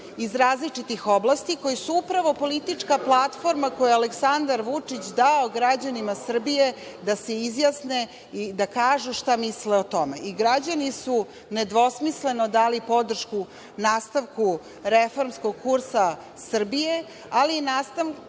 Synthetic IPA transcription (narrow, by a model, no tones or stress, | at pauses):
izɾaːzlit͡ʂit̪ixo̞blast̪iko̞jisuupɾaʋo̞po̞lit̪it͡ʂkaplˠat̪fo̞ɾmako̞jealeksand̪aɾʋut͡ʂit͡ɕd̪aoɡɾad͡ʑanimasr̩bije̞d̪ase̞izjasne̞ | id̪akaːʒuʃt̪amisleot̪o̞me̞ʔiɡɾad͡ʑanisu | ned̪ʋo̞smisle̞no̞d̪aːlipo̞d̪r̩ʃku | naːst̪aʋku | ɾefo̞ɾmsko̞ɡ̚kuɾsa | sr̩bije̞ | alinaːst̪aʋ